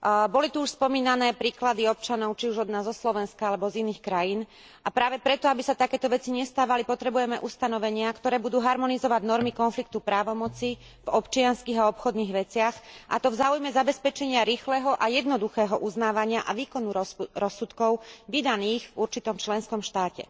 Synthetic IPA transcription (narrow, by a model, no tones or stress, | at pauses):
bɔlit̪uuʃspɔmiːnanɛːpɾiːklad̪iɔp̚t͡ʃanɔʊt͡ʃiuʒɔd̪naːzzɔslɔʋɛnskaalɛbɔziniːxkɾajiːn | ʔapɾaːʋɛpɾɛt̪ɔabisat̪akɛːt̪ɔʋɛt͡siɲɛst̪aːʋalipɔt̪ɾɛbujɛmɛʔust̪anɔʋɛɲɪakt̪ɔɾɛːbud̪uːɦaɾmɔnizɔʋaɟnɔɾmikɔnflik̚t̪upɾaːʋɔmɔt͡si | vɔpt͡ʃɪanskiːɣaɔpxɔd̪niːɣʋɛt͡sɪaxʔa̰t̪ɔvzaːujmɛzabɛspɛt͡ʃɛɲɪaɾiːxlɛɦɔʔajɛd̪nɔd̪uxɛːɦɔʔuznaːʋaɲɪaʔaʋiːkɔnuɾɔsːut̪kɔʊʋid̪aniːɣvuɾt͡ʃit̪ɔmt͡ʃlɛnskɔmʃt̪aːcɛ̰